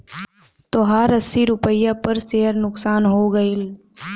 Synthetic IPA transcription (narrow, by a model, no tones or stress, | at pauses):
t̪oɦaːɾɐsːiɾʊpəjːapɐɾseːɦəɾnʊksaːnɦoːɡɐɪl